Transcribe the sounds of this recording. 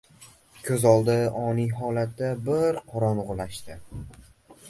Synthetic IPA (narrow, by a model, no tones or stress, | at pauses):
kʲʰɵzɒlˠd̪ɪɒnijɦɒlat̪̚d̪abɪɾqʰɒɾɒnʊʁlaʃt̪ɪ